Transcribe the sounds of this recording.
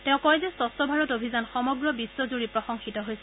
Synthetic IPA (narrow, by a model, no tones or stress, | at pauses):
tɛ̃ʊ̃kɔɛzɛsɔstɔbʱaɹɔtobʱizanxɔmɔɡɹɔbiswɔzuɹipɹɔxɔŋxitɔɦojsɛ